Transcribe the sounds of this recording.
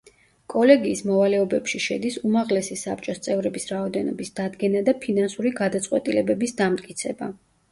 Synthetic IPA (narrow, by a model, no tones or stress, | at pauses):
kʼɔlɛɡiːsmɔvalɛɔbɛpʃiʃɛd̪isumaʁlɛsisap̚t͡ʃʼɔst̪sʼɛvɾɛbisɾaɔd̪ɛnɔ̰bisd̪̥ad̪ɡɛnad̪apʰinansuɾiɡad̪at̪sʼqʼwɛt̪ʼilɛbɛbisd̪amt̪ʼkʼit̪sʰɛba